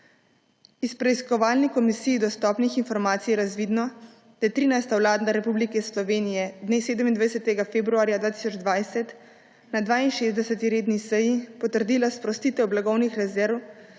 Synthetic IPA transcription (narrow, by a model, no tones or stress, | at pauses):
ispɾɛiskɔʋaːlnikɔmisijːd̪ɔst̪ɔːpnixinfɔɾmaːt̪sijɛɾazʋiːd̪nɔ | d̪̥ajɛt̪ɾiːnajst̪awlaːd̪naɾɛpublikɛslɔʋeːnijɛd̪neːseːd̪əmind̪ʋajɛsɛt̪ɛɡafeːbɾuaːɾjad̪ʋaːt̪i̥sɔd͡ʒd̪ʋajsɛt̪ | nad̪ʋaːinʃezd̪ɛsət̪iɾeːd̪nisɛjipɔt̪əɾd̪iːlaspɾɔst̪iːt̪ɛwblaɡɔwnixɾɛzɛɾw